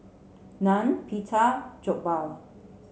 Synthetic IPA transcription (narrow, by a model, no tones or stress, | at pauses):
nãnpʰitʰad͡ʒɔk̚bal